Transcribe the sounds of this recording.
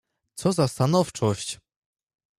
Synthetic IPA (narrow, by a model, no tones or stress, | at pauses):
t̪sɔzast̪anɔft͡ʂɔɕt͡ɕ